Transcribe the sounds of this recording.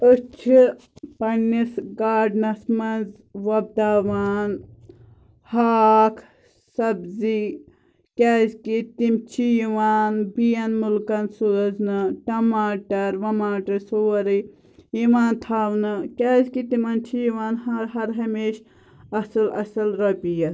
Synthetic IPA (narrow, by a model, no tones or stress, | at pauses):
ət͡ʃʰi | pɐnːisɡaːɖnɐsmɐnz | ʋɐb̚d̪aːʋaːn | haːkʰ | sɐbzi | kʲaːzkit̪imt͡ʃʰijiʋaːnbijɐnmulkɐnsuɾɐznɨʈɐmaːʈɐɾʋɐmaːʈɐsoːɾi | iʋaːnt̪ʰaːʋnɨkʲaːzkit̪imɐnt͡ʃʰijʋaːnhɐɾɦɐɾɦɐmeːʃ | ɐsɨlɐ̰sɐlɾɐpijɐ